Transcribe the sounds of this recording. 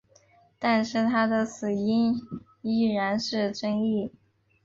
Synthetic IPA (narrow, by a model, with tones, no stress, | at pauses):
t̪a˥˧nʂɻ̩˥˩t̪ʰa˥d̪ə˨sɹ̩˨˩i˥n | i˥˩ɻa˧˥nʂɻ̩˥˧ʈ͡ʂɤ˥ŋi˥˩